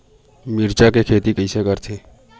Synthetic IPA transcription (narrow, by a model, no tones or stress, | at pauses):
mɪɾt͡ʃakekʰeːt̪ikəisekəɾt̪ʰeː